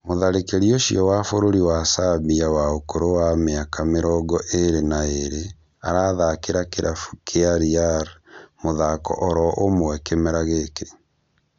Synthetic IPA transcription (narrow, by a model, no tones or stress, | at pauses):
moðaɾekeɾioʃiɔwafoɾoɾiwasaβiawaokoɾowameakameɾɔɡɔʔeɾenaeɾe | aɾaðakeɾakeɾʔafukʰeaɾiaɾmoðakɔ̰ʔɔɾɔʔomowɛkemɛɾaɣeke